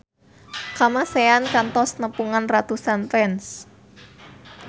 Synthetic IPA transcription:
kamaseankant̪ɔsnəpuŋanrat̪usanfɛns

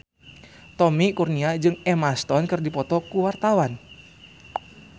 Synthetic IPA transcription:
t̪ɔmikurniad͡ʒɨŋɛmast̪ɔnkɨrdipɔt̪ɔkuwart̪awan

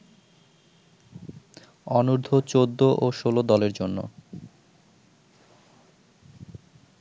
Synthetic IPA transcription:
ɔnuɾd̪ʱot͡ɕod̪ːoʔoʃolod̪ɔleɾd͡ʑonːo̰

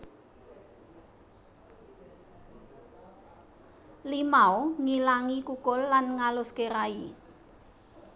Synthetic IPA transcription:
limaoŋilaŋikukʊlːanŋalʊskeɾai

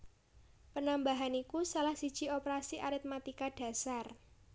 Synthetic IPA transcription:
pənambaɦanikusalahsid̥ʒ̥i̤opəɾasiʔaɾɪt̪̚mat̪ikaɖ̥a̤sar

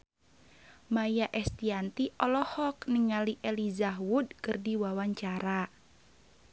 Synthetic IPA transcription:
majaʔɛst̪iant̪iʔɔlɔhɔkniŋaliʔɛlizaɦwudkɨrdiwawaɲt͡ʃaɾa

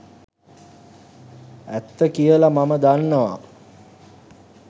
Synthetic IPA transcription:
æt̪ːəkijəlamaməd̪anːəʋa

